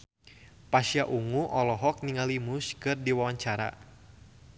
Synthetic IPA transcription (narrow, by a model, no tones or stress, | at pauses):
pasijaʔuŋuʔɔlɔɦɔk̚niŋalimuskɨrdiwawaɲt͡ʃaɾa̰